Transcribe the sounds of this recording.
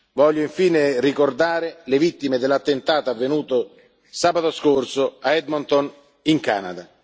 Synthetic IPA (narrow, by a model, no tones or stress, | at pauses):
vɔʎːoiɱfiːnerikord̪aːɾelevit̪ːimed̪elːat̪ːent̪aːt̪aavːenuːt̪o | saːbat̪oskorsoaɛd̪mɔnt̪on | iŋka̰ːnad̪a